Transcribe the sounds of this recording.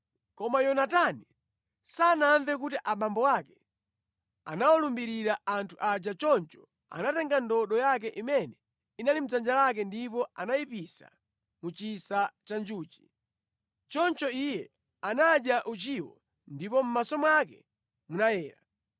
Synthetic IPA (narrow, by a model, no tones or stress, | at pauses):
kɔmajɔnatani | sanaɱvɛk̬utiʔaɓambɔwakɛ | a̰nawɔlumbiɾiɾaantʰuʔad͡ʒat͡ʃɔnt͡ʃɔ̥ | a̰natɛŋɡandɔɗɔjak̬ɛʔimɛnɛ | inalim̩d͡zand͡ʒalak̬ɛndipɔanaipisa̰ | mut͡ʃisat͡ʃand͡ʒuːt͡ʃi̥ | t͡ʃɔnt͡ʃɔijɛ | anaɗjaʔut͡ʃiwɔ̰ | ndipɔm̩masɔmakɛ | munajɛːɾa̰